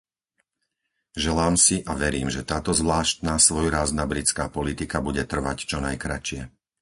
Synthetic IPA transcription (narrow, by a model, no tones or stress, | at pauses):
ʒɛlaːmsiʔaʋɛɾiːmʒɛt̪aːt̪ɔzʋlaːʃt̪̚naːsʋɔjɾaːznabɾit͡skaːpɔlit̪ikabuɟɛt̪r̩ʋact͡ʃɔnajkɾat͡ʃɪɛ